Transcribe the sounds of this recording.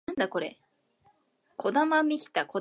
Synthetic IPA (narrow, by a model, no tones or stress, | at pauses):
ãnd̪ako̞ɾe | kʰo̞d̪amamʲikʲi̥t̪ako